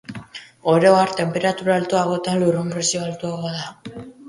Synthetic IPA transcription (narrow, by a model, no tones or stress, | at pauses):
o̞ɾe̞oaɾt̪e̞mpe̞ɾat̪uɾalt̪uaɣo̞t̪anlurumpɾesioalt̪uaɣoaða